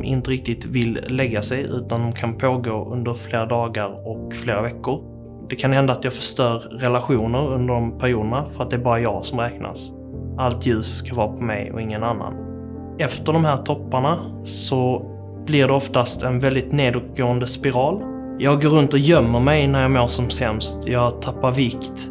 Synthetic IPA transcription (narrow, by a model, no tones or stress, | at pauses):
mʔɪ̰nt̪əɾɪk̚t̪ɪt̪vɪllɛɡːasɛjʉ̟̰ːt̪and̪ɔmkʰanpʰoːɡoːʔɵ̰nd̪əɾfleːɾad̪ɑːɡəɾɔkfleːɾavɛkːʊɾ | d̪ɛkʰanhɛnd̪aːt̪jɑːɡfəʂt̪œːɾːɛlaɧuːnəɾɵnd̪əɖɔmpʰæɾjuːd̪əɳafœɾat̪̚d̪ɛæːɾbɑːɾajɑːɡsɔmɾɛːkna̰s | alt̪ʰjʉ̟ːsːkavɑːpʰɔmɛ̰jɔ̰ɪŋːənanːa̰n | ɛft̪əɖɔmɦæːɾt̪ʰɔpːaɳa | sɔ | b̥lɪɖɛɔft̪ast̪ɛnvɛld̪ɪt̪neːd̪ʊɡoːənd̪əspɪɾɑːl | jɑːɡːoːɾɵnt̪ɔjœmːəɾmɛjnæɾjɑːmoːʂɔmsɛmst̪jɑːɡt̪ʰapːaɾvɪkt̪